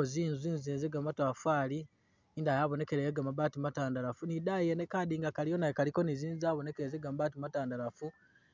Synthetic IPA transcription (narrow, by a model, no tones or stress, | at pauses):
oziːnzwiːnziːnzeɡamatwafaːli | indajaβo̞ne̞keɾejeɡamaβaːtimataːndalafunidajenekadiːŋɡakalijonajekaliko̞niziːnzaːβo̞ne̞keɾezeɡamaβaːtimataːndalafu